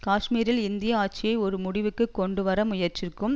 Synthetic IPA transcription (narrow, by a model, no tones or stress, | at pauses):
kaːʂmiːɾɪlɪnd̪ɪjɐaːʈ̚t͡ʃɪjɐɪɔɾɯmʊɽɪʋɯkːɯkːɔɳɖɯʋɐɾɐmʊjɐɾt͡ʃɪrkɯm